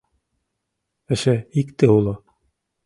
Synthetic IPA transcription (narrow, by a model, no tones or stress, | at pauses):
ɘ̆ʃɘikt̪ɘulˠɤ